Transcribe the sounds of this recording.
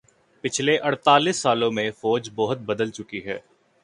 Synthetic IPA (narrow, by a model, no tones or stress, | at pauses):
pɪt͡ʃʰleʔɐɽt̪aːliːsːaːlõmẽfɔːd͡ʒbɔɦʊt̪̚bɐd̪əlt͡ʃʊkiɦɛ̰ː